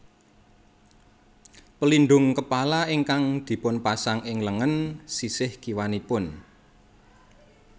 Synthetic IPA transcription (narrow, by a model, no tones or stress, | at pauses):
pəlinɖ̪ʊŋkəpalaiŋkaŋd̪̥i̤pʊnpasaŋɪŋləŋənsisɪhɡ̥iwanipʊn